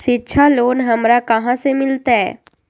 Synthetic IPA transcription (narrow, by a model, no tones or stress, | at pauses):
ʃɪtːʃʰaloːnɦɐmɾakɐɦãsemɪlt̪aɦɛː